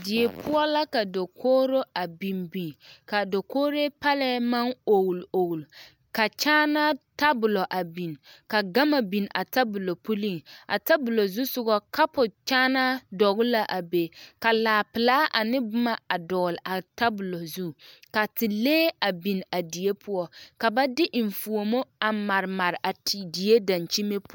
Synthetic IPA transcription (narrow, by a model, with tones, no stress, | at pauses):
dɪ˨e˨pʰʊ˦ɔ˦la˦ka˨do˨kʰoː˦ɾo˦a˨bi˨nbi˨nka˨do˨koː˦ɾe˦pa˦lɛ˦ma˦no˨ɣlo˨ɡl | ka˨t͡ʃaː˦na˦ta˦bʊ˨lo˨ʔa˨bi˨nka˨ɡa˦ma˨bi˨na̰˨ta˦bʊ˨lo˨pu˦li˦˨ŋʔa̰˨ta˦bʊ˨lo˨zu˦sʊ˨ɡɔ˨ka˦pʊ˨t͡ʃaː˦na˦dɔ˨ɣʊ˦la˦ʔa˨be˨ka˨laː˨pɪ˨laː˦ʔa˨nɪ˦bʊ˦ma˨a˨dɔ˨lʔa˨ta˦bʊ˨lo˨zu˦ka˨tɪ˨leː˦a˨bi˨na˨di˨e˦pʰʊ˦ɔ˦ka˨ba˦dɪ˦ʔɪ˨ɱ˨fu˨o˨mo˦a˨ma˨ɾma˨ɾɪ˨a˨tdi˨e˦da˨nt͡ʃi˦me˦p